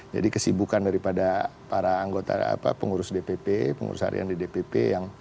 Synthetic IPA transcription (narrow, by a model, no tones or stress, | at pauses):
d͡ʒa̰dikəsibukandaɾipadapaɾaːŋɡot̪a̰a̰pa̰pəŋuɾʊsdepepepəŋṵɾʊsa̰ɾʔḭa̰ndidepepḛjaŋ